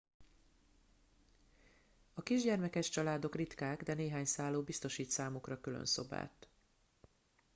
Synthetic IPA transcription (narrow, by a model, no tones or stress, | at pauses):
ɒkiʒɟɛrmɛkɛʃt͡ʃɒlaːd̪o̞krit̪kaːɡd̪ɛneːɦaːɲsaːlːoːbist̪o̞ʃiːt̪saːmukrɒkylø̰nso̞̰ba̰ːt̪